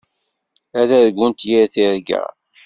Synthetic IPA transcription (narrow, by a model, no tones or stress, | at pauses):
æðæðɡʷːənt̪jiɾθiɾɡæ̰